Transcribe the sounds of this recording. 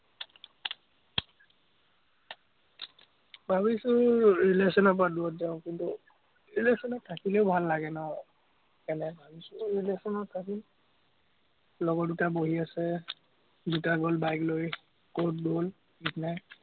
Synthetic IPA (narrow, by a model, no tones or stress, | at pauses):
bʱabisʊɹilesɔnɔp̬aduɔtzaʊ̃kintu | ɹilesɔnɔtʰːakileʊbʱalːaɡɛnɔɔ | kɛnɛbʱabisuɹilesɔnɔtʰːakil | lɔɡɔdutaboɦiasɛ | dutaɡɔlbajkloj | kotdol | itnaj